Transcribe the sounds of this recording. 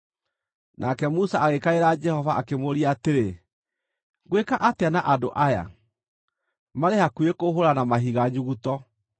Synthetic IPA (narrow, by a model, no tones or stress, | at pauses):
nʔakɛmusaaɣekaeɾad͡ʒɛhɔvaʔakemoɾiateɾe | ɡwekaʔateanaʔadoʔaja̰ | maɾehakuekoɦoɾanamaɦiɣaɲuɣutɔ